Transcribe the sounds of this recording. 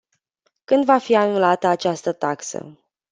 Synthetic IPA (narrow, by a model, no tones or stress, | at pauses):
kɨnd̪vafianulat̪əat͡ʃast̪ət̪aksə̰